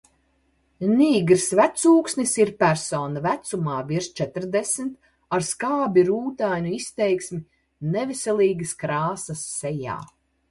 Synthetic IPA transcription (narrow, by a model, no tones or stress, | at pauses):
niːɡɾsvæt̪suːksnisiɾpæɾsoːnɐvæt̪sumaːviɾʃt͡ʃɛt̪ɾd̪esmt̪ | aɾskaːbʲiɾuːt̪ajnʲuist̪ɛjksmʲi | nɛvɛsɛlˠiːɡɐskɾaːsɐsːɛja̰ː